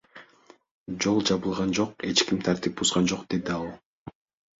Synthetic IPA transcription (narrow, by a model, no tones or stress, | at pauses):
d͡ʒo̞lˠd͡ʒɑβɯlˠʁɑnd͡ʒo̞qe̞t͡ʃkimt̪ʰɑɾt̪ip̚buzʁɑnd͡ʒo̞qd̪e̞d̪iɑlˠ